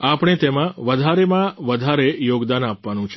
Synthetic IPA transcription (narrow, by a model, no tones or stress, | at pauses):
apɽ̃et̪emãʋəd̪ʱaɾemãʋəd̪ʱaɾejoɡd̪anapʋanũt͡ʃʰe